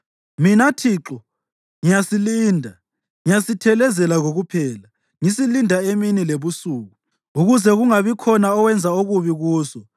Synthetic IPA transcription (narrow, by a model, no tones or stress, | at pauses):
minatʰiːǁɔ | ŋijasiliːndʱa | ŋijasitʰɛlɛzɛlaɣoɣupʰɛːla | ŋisilindʱaeminileβusuːɣu | uɣuzɛɣuŋaβikʰɔnaɔwɛnd͡zʱaoɣuβiɣuːzɔ